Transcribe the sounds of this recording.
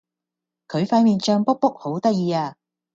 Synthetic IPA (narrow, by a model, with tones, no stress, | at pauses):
kʰɵ˨˧ɥfaː˧nmiː˨nt͡ʃœː˧ŋpʊ˥k̚pʊ˥k̚ho˨˥wt̪ɐ˥k̚jiː˨˧aː˧